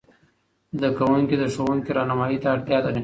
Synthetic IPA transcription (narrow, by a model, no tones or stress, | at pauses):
d̪əkawuŋkid̪əʂowuŋkiɾɑnamɑjit̪aːɽt̪jɑd̪ane